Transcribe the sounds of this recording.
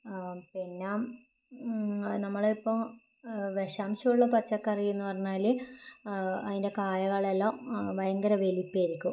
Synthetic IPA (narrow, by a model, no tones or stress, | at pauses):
pinːaːm | nɐmːɐɭipːom | ʋeʂaːmɕɐmuɭːɐpɐt͡ɕːɐkːɐrijenːɨpɐrɐɲːaːli | ɐðinde̞kaːjɐɣɐɭelːamʋɐjɐŋɡɐɾɐʋelipːajiɾikʲːu